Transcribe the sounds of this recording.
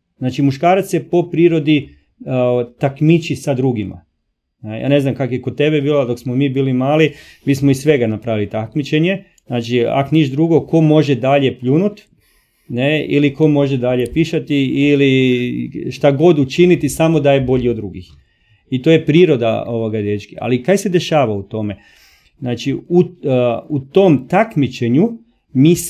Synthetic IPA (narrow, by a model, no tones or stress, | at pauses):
znaːt͡ʃimuʃkaːɾat̪sjepo̞pɾiːɾo̞d̪i | t̪akmit͡ʃisad̪ɾuɡima̰ | neja̰ːne̞znamkakjekot̪̚t̪e̞bebiːlad̪o̞ksmomiːbiːlimaːli | miːsmoisːʋe̞ɡanapɾaʋilit̪akmit͡ʃe̞ɲe | znaːt͡ʃia̰koniʃd̪ɾuɡo̞ko̞mo̞ʒed̪aʎe̞pʎuːnut̪ | ne̞ḭliko̞mo̞ʒed̪aʎe̞piʃat̪iili | ʃt̪aɡo̞d̪ut͡ʃinit̪isamod̪ajebo̞ʎiod̪ːɾuɡix | it̪oje̞pɾiːɾo̞d̪a̰oʋoɡad̪et͡ʃkia̰likajse̞d̪e̞ʃaːʋaut̪o̞me̞ | znaːt͡ʃiuut̪o̞mt̪akmit͡ʃeɲu | miːs